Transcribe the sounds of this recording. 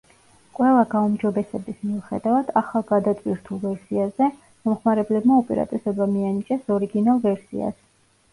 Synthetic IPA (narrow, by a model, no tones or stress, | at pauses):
kʼwɛlˠaɡaumd͡ʒɔbɛsɛbismiuχɛ̰d̪avad̪aχalˠɡad̪at̪ʼwiɾt̪ʰulˠvɛɾsiazɛ | mɔmχmaɾɛblɛbmaɔpʼɛ̰ɾa̰t̪ʼisɔbamianit͡ʃʼɛsɔɾiɡinalˠvɛɾsḭa̰s